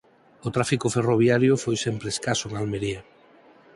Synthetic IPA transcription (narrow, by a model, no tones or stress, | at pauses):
ʊt̪ɾafikoferoβjaɾjʊfojsempɾeskasʊeŋalmeɾia